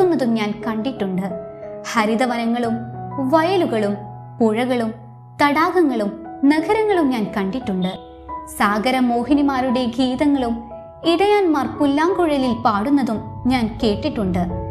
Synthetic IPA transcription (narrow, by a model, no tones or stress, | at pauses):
unːɐðumɲaːnkɐɳɖiʈːuɳɖɨhɐɾiðɐʋɐnɐŋːɐɭumʋɐjɐluɣɐɭum | puɻɐɣɐɭum | t̪ɐɽaːɣɐŋːɐɭumnɐɡʱɐɾɐŋːɐɭumɲaːnkɐɳɖiʈːuɳɖɨ | saːɡɐɾɐmoːɦinimaːɾuɽe̞ɡʱiːðɐŋːɐɭum | iɽɐjaːnmaːrpulːaːŋɡuɻɐlilpaːɽunːɐðumɲaːnke̞ːʈːiʈːuɳɖɨ